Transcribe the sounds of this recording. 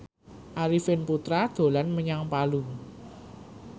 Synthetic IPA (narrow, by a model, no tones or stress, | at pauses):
ʔaɾifɪnput̪ɾad̪̥o̤lanməɲaŋpalu